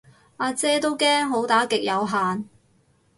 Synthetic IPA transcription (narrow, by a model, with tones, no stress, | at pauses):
ʔaː˧t͡sɛː˥t̪o˥wkɛː˥ŋɦo˨˥wt̪aː˨˥kɪ˨k̚jɐ˨˧wɦaː˨n